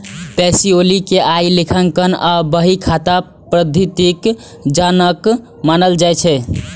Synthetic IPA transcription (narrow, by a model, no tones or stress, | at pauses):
pɛsiolikeʔailikʰəŋkənabəɦikʰat̪a | pɾəd̪ʱit̪ik | d͡ʒanək | manəld͡ʒajt͡ʃʰɛ